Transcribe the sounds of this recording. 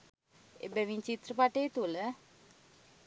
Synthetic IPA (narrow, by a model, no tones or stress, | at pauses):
ḛbæʋiɲt͡ʃit̪rəpaʈeːt̪ulə